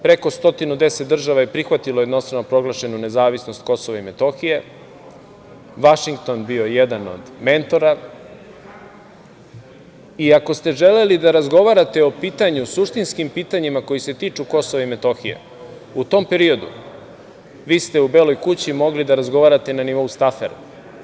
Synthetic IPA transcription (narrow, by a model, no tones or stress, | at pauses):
pɾe̞ko̞st̪o̞t̪inud̪e̞set̪̚d̪r̩ʒaʋajepɾixʋat̪ilo̞je̞d̪no̞st̪ɾavnopɾo̞ɡlaʃe̞nune̞zaːʋisnost̪ko̞so̞ʋaime̞t̪o̞xije̞ | ʋaʃiŋk̚t̪o̞nbio̞jed̪ano̞̰d̪me̞nt̪o̞ɾa | iako̞st̪e̞ʒe̞le̞lid̪aɾazɡo̞ʋaɾat̪e̞o̞piːt̪aɲusuʃt̪inskimpiːt̪aɲimako̞jise̞t̪iːt͡ʃuko̞soʋaime̞t̪o̞xijḛ | ut̪o̞mpe̞ɾio̞d̪ṵ | ʋiːst̪e̞ubeːlo̞jkut͡ɕimo̞ɡlid̪aɾazɡo̞ʋaːɾat̪e̞naniʋo̞ust̪afeɾa